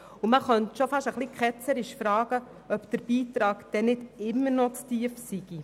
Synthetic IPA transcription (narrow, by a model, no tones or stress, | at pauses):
uməχœntʃofɑʃəχlikχɛt͡səɾɪʃfɾɑːɡ̥ə | œpd̥̪əɾb̥iːtɾɑːɡd̥ɛnɪdɪmːəɾnɔt͡stiəfsiɡ̥i